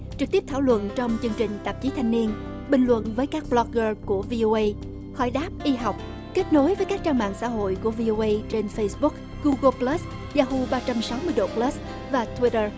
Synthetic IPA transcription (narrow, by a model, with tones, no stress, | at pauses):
t͡ɕɨ˨˩k̚t̪i˦˥əp̚t̪ʰaː˧˩wlwə̰˧˨nt͡ɕɔ˧wŋ͡mt͡ɕɨ˧ŋt͡ɕï˨˩ŋ̟t̪ə˨˩p̚t͡ɕi˨˦t̪ʰa˧jŋ̟ni˧ən | ɓï˨˩ŋ̟lwə̰˧˨nvəː˨˦jkaː˦˥k̚ɓlɔ˧k̚ɣəː˧ku˧˩əvi˧ʔo˧ʔə˧j | hɔ̰˧˩jɗaː˦˥p̚ʔi˧ɦa˨˩wk͡p̚ | ke˦˥t̚no˨˦jvə˨˦jkaː˦˥k̚t͡ɕaː˧ŋɓa̰ː˧˨ŋsa̰ː˧˥˩ɦo̰˧˨jku˧˩əvi˧ʔo˧ʔə˧jt͡ɕe˧nfə˧jsɓʊ˦˥k̚ | ɣu˧ɣə˧plə˦˥s | zaː˧hu˧ɓaː˧t͡ɕa˧msa˨˦wmɨ˧əjɗo̰˨˩plə˦˥s | vaː˨˩t̪ʰwi˦˥tə˧˩